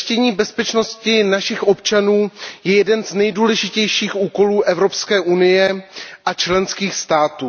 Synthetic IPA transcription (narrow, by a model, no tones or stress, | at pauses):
ʃcɛɲiːbɛspɛt͡ʃno̞scɪnaʃɪxʔo̞pt͡ʃanuːjɛjɛdɛnznɛjduːlɛʒɪcɛjʃiːxʔuːko̞luːʔɛvɾo̞pskɛːʔunɪjɛʔat͡ʃlɛnskiːxst̪aːt̪uː